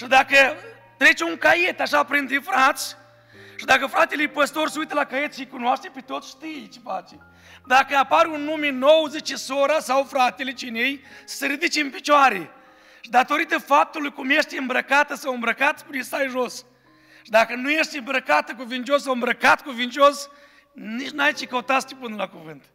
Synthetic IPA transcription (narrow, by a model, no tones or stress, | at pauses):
ʃid̪akə | t̪ɾe̞t͡ʃeuŋkaje̞t̪aʃapɾint̪ɾefɾat̪sʲ | ʃid̪akəfɾat̪elejpəst̪o̞rsəujt̪əlakaje̞t̪ʃijkunoaʃt̪epet̪o̞t̪sʲʃt̪ijt͡ʃefa̰t͡ʃe | d̪akəapaɾunːumeno̞wəzet͡ʃesoɾasawfɾat̪elet͡ʃinejsə̥səɾid̪it͡ʃeɨnpit͡ʃoaɾe | ʃid̪at̪o̞ɾit̪əfap̚t̪ulujkumje̞ʃt̪ʲɨmbɾəkat̪əsawɨmbɾəkat̪spunest̪ajʒo̞s | ʃid̪akənuje̞ʃt̪ʲɨmbɾəkat̪ək̬uvint͡ʃios̬ːawɨmbɾəkat̪kuvint͡ʃeo̞s | nit͡ʃnajt͡ʃekəut̪at̪st̪ipɨnəlakuvɨnt̪